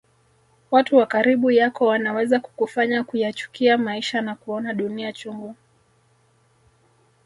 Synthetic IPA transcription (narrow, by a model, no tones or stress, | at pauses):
watuwakaɾiɓujakɔwanawɛzaku̥kufaɲakujat͡ʃu̥kiamaiʃanakuɔnaɗuniat͡ʃuŋɡu